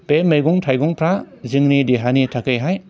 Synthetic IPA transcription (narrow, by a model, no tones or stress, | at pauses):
pemejɡɔŋtʰajɡɔŋpʰɾa | ziŋnidiɦanitʰakɯjɦaj